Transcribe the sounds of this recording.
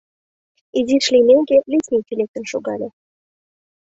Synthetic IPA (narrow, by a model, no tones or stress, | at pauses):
idʲiʃlʲinʲeŋɡʲelʲisʲnʲik̪ʲilʲek̚t̪ənʃuɣɑlʲe